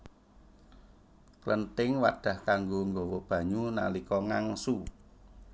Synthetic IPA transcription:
klənt̪ɪŋwa̰ɖ̥a̤hkaŋɡoŋɡɔwɔb̥ä̤ɲuna̰likɔŋaŋsu

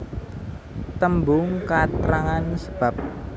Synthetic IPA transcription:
t̪əmbʊŋkat̪ɾaŋansə̥b̥a̤p̚

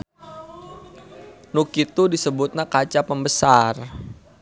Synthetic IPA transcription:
nukit̪udisəbʊt̪̚nakat͡ʃapəmbəsar

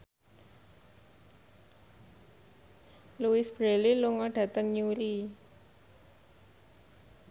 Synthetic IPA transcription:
luɪsb̥ɾeliluŋɔɖ̥a̤t̪əŋɲuɾi

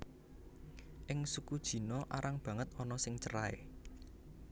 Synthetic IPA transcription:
ʔɪŋsukud̥ʒ̥i̤nɔʔaɾaŋb̥ä̤ŋət̪̚ɔnɔsɪŋt͡ʃəɾaḛ

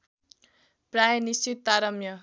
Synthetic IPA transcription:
prajʌnist͡ʃit̪ːaɾʌmjʌ

